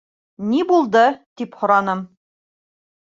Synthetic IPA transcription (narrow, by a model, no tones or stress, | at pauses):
nibulˠd̪ɤt̪iphŏɾɑnɤm